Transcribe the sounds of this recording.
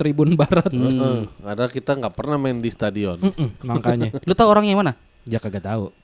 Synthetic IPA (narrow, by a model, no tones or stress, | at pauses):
t̪ɾibʊnbaɾat̪̚əadakit̪aŋɡaʔpərnahmandist̪adiɔn̩m̩maŋkaɲalut̪auoɾaŋɲaimana | d͡ʒakaɡat̪au